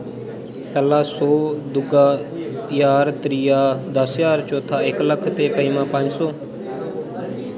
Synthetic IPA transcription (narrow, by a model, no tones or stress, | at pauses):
pɛːlaːsoːd̪ʊɡaːjaːɾt̪ɾijaːd̪əsjaːɾt͡ʃoːt̪ʰːaːɪkləkʰt̪eːpəiːmãːpə̃ɲd͡ʒsɔː